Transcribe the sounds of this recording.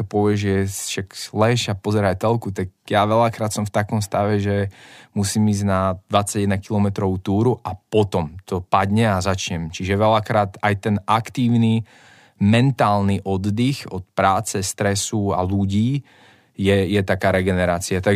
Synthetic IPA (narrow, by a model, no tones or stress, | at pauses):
ɔpɔʋɪɛʒʒɛjɛʃaklɛʃapɔzɛɾat̪ɛlkut̪aɡ̚jaʋɛʎakɾaːt̪sɔmft̪akɔmst̪aʋɛʒɛmusiːmiːznad̪ʋat͡sːaɟɛd̪nakilɔmɛt̪ɾɔʋut̪uːɾuʔapɔt̪ɔmt̪ɔpad̪ɲɛazat͡ʃɲɛmt͡ʃiʒɛʋɛlakɾaːt̪ajt̪ɛnʔakt̪iːʊni | mɛnt̪aːlniʔɔd̪ːixɔt̪pɾaːt͡sɛst̪ɾɛsua̰luɟiː | jɛjɛt̪akaːɾɛɡɛnɛɾaːt͡siat̪aɡ